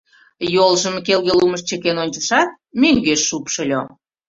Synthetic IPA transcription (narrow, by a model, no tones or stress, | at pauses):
jolʒəmkelɣeluməʃt͡ɕekenonʲt͡ɕəʃɑt̪̚ | mʲøŋɡeʃːupʃə̆lʲo